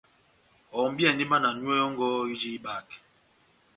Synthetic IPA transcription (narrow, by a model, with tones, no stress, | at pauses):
ɔ˨m˦bja˦˨ni˦ma˦na˨nwɛ˦ɔ˦ŋ˦ɡɔ˦i˦d͡ʒi˦ɓa˨k